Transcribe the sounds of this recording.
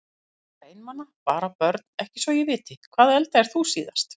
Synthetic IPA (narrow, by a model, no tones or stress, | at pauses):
eːjnmanːapaːɾapœɾt̪̚nɛhcɪ̥svɔjɛvɪːt̪ɪkʰvaːðɛlt̪aɛɾ̥θusiːðast̪